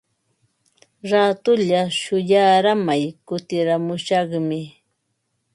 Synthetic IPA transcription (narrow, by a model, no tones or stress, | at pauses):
ɾat̪ʊʎaʃʊjaːɾamajkʊt̪ɪɾamʊʃɑχmɪ